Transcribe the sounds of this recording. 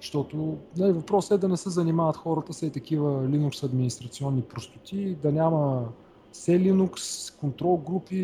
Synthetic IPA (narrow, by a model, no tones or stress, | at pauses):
ʃt̪ɔt̪ʊnɐlivɐpɾɔsɛd̪ɐnɛsɛzɐnimavət̪xɔɾət̪əsɛit̪ɐkivəlinuksɐd̪minist̪ɾɐt̪siɔnːipɾost̪ʊ̥t̪ʲid̪ɐnʲamə | sɛlinukskont̪ɾɔlˠɡɾupi